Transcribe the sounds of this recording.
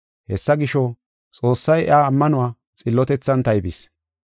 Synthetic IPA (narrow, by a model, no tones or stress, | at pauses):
hɛsːɐɡɪʃɔ | t͡sʼo̞ːsːɐjɪ̰aːmːɐnʊwaː | t͡sʼɪlːɔt̪ɛt͡sːɐnt̪ɐjbɪs